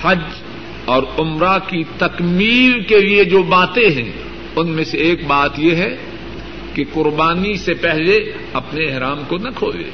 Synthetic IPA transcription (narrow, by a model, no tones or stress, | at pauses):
hɐd͡ʒ | ɔːɾʊmɾakit̪ɐkmiːɾkelied͡ʒoːbaːt̪ẽɦɛ̃ | ʊnmẽseeːk̚baːt̪jeɦɛ | keqʊɾbaːnisepɛɦle | ɐpneːɦɾaːmkonɐkʰoːlḛː